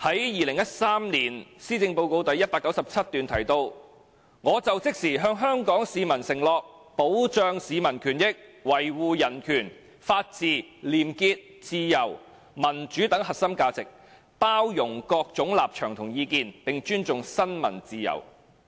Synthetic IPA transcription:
hɐ˨˥jjiː˨lɪ˨˩ŋjɐ˥t̚saː˥mliː˨˩nsiː˥t͡sɪ˧ŋpo˧wko˧wt̪ɐ˨˥jːɐ˥t̚paː˧kːɐ˨˥wsɐ˨p̚t͡sʰɐ˥t̚t̪yː˨nt̪ʰɐ˨˩jt̪o˧w | ŋɔː˨˧t͡sɐ˨wt͡sɪ˥k̚siː˨˩ɦœː˧ŋɦœː˥ŋkɔː˨˥ŋsiː˨mɐ˨˩nsɪ˨˩ŋlɔː˨k̚ | po˨˥wt͡ʃœː˧ŋsiː˨˧mɐ˨˩nkʰyː˨˩njɪ˥k̚wɐ˨˩jwuː˨˧jɐ˨˩nkʰyː˨˩n | faː˧t̚t͡siː˨liː˨˩mkiː˧t̚t͡siː˧jɐ˨˩w | mɐ˨˩nt͡ʃyː˨˥t̪ɐ˨˥ŋɦɐ˨t̚sɐ˥mkaː˧t͡sɪ˨k̚ | paː˥wjʊ˨˩ŋkɔː˧k̚t͡sʊ˨˥ŋlaː˨p̚t͡ʃʰœː˨˩ŋt̪ʰʊ˨˩ŋjiː˨˧kiː˧npɪ˨ŋt͡ʃyː˥nt͡sʊ˨ŋsɐ˥nmɐ˨˩nt͡siː˨˧jɐ̰˨˩w

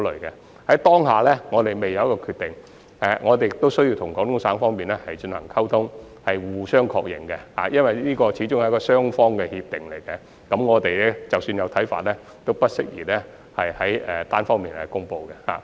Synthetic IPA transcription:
lɵ̰˨˩ɥkɛ˧ | hɐ˨˥jt̪ɔː˥ŋɦaː˨lɛː˥ŋɔː˨˧t̪e˨jme˨jːɐ˨˧wjkɔː˧kʰyː˧t̪ɪ˨ŋ | ʔɛ˨˧ŋɔː˨˧t̪e˨jɪ˨kt̪o˥wsɵ˥ɥjiː˧wt̪ʰʊ˨˩ŋkɔː˨˥ŋt̪ʰʊ˥ŋsaː˨˥ŋfɔː˥ŋmiː˨nɛː˦˥hɐ˨˩jt͡ʃɵ˧nhɐ̰˨˩ŋkʰɐ˥wt̪ʰʊ˥ŋ | hɐ˨jwuː˨sœː˥ŋkʰɔː˧k̚jɪ̰˨˩ŋkɛ˧ha̰ː˨˩jɐ˥nwɐ˨˩jniː˥kɔː˧t͡ɕʰiː˨˧˥t͡ʃʊ˥ŋhɐ˨jkɔː˧sœː˥ŋfɔː˥ŋkɛ˧hiː˧p̚t̪ɪ˨˩ŋle˨˩jkɛ˧ | kɐ˨˥mŋɔː˨˧t̪e˨jɛ˥t͡sɐ˨wsyː˧njɐ˨˧wt̪ʰɐ˨˥jfa̰ː˨t̚lɛ˥ | t̪o˥wpɐ˥t̚sɪ̰˥k̚jiː˨˩lɛː˥ | hɐ˨jhɐ˨˥jɛ˨t̪aː˥nfɔː˥ŋmiː˨nɛ̰˧kʊ˥ŋpo˧wkɛ˧ha̰ː˨˩

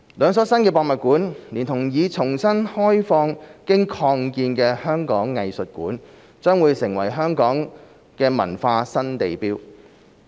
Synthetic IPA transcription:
lœː˨˧ŋsɔː˨˥sɐ˥nkɛː˧pɔː˧k̚mɐ˨t̚kuː˨˥nliː˨˩nt̪ʰʊ˨˩ŋjiː˨˧t͡sʰʊ˨˩ŋsɐ˥nhɔː˥jfɔː˧ŋkɪ˥ŋkʰɔː˧ŋkiː˧nkɛː˧hœː˥ŋkɔː˨˥ŋːɐ˨jsɵ˨t̚kṵː˨˥n | t͡ʃœː˥ŋwuː˨˧jsɪ˨˩ŋwɐ˨˩jɦœː˥ŋkɔː˨˥ŋ | kɛː˧mɐ̰˨˩nfaː˧sɐ˥nt̪e˨jpiː˥w

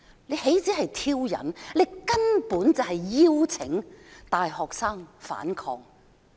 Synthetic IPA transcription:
le˨˧jhe˨˥jt͡siː˨˥ɦɐ˨jt̪ʰiː˥wjɐ̰˨˩nle˨˧jkɐ˥npuː˨˥nt͡sɐ˨wɦɐ˨jːiː˥wt͡sʰɪ˨˥ŋt̪aː˨jɦɔː˨k̚saː˥ŋfa̰ː˨˥nkʰɔː˧ŋ

